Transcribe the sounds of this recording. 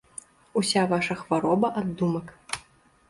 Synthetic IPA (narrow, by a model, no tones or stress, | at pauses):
usʲavaʂɐxvaɾɔbɐʔad̪ːumɐk